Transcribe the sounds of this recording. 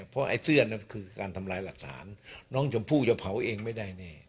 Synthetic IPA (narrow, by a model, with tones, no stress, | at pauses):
pʰɔ˦˥ʔa̰˧˩jsɯ˥˩əna˦˥˩kʰɯː˧kaː˧nt̪ʰa˧mlaː˧jla˨˩k̚t̪ʰa̰ː˩˦nːɔː˦˥ŋt͡ɕa˧˩pʰuː˥˩t͡ɕa˧˩pʰa˩˦wʔeː˧ŋma˥˩jda˥˩jnɛː˧˩